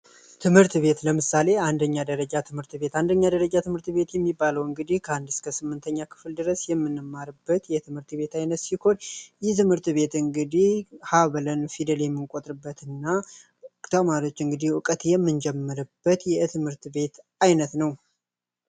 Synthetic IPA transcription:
t̪ʰɨmhɨɾt̪be̞t̪ləmɨsale̞and̪əɲːad̪əɾəd͡ʒat̪ʰɨmhɨɾt̪be̞t̪and̪əɲːad̪əɾəd͡ʒat̪ʰɨmhɨɾt̪be̞t̪jɛmːibːaləwɨŋɡɨd̪ihkʰəhand̪ɨskʰəsɨmːɨnt̪ʰəɲːakʰɨ̥fld̪ɨɾəsjɛmːɨnːɨmːaɾɨbːət̪jɛt̪ʰɨmhɨɾt̪be̞t̪ajnət̪siho̞njɛt̪ʰɨmhɨɾt̪βe̞t̪ɨŋɡɨd̪ihhaβlənfid̪əljɛmːɨŋkʼo̞t̪ʼɾɨbːət̪ɨnːa | kʼt̪ʰəmaɾio̞t͡ʃːɨŋɡɨd̪ihwɨkʼət̪jɛmːɨnd͡ʒɛmːəɾɨbːət̪jɛt̪ʰɨmhɨɾt̪be̞t̪ | ajnət̪nəw

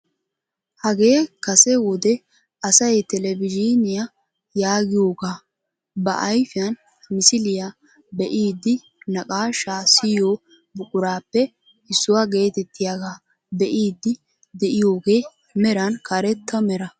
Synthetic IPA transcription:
hɐɡe̞ːkɐsɛwɔd̪ɛ | ɐsɐjt̪ɛlɛvɪd͡ʒinɪja | jaːɡɪjoːɡaː | bɐ̰ʔɐjfɪjɐn | mɪsɪlɪja | bɛʔiːd̪ːɪ | nɐkʼaːʃaːsɪjoː | bʊkʼʊɾaːpːɛ | ɪsːʊwaɡe̞ːt̪ɛt̪ːɪjaɡaː | bɛʔiːd̪ːɪ | d̪ɛʔɪjo̞ːɡe̞ː | mɛɾɐnkɐɾɛt̪ːɐmɛɾɐ

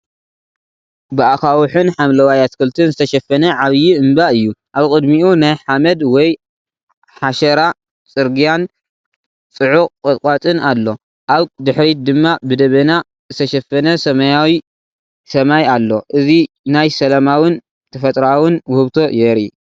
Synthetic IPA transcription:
bɨakawɨħɨnħamlɐwajat̪kʰɨlt̪ʰɨnzɨt̪ʰɐʃɐfːɐnɐʕaβjiɨmbaɨjːuʔaβkʼɨd̪miunajħamɐd̪wɔj | ħaʃɐɾa | t͡sʼɨɾɡijan | t͡sʼɨʕukʼkʼɨt̪kʼat̪ʼɨnalːo̞ | ʔaβd̪ɨħɾid̪ɨmːabɨd̪ɐβɐna | zɨt̪ʰɐʃɐfːɐnɐsɐmɐjawi | sɐmajalːo̞ʔɨzi | najsɐlɐmawɨn | t̪ʰɐfɐt̪ʼɾawɨnwhɨβt̪ʰo̞jɛɾi

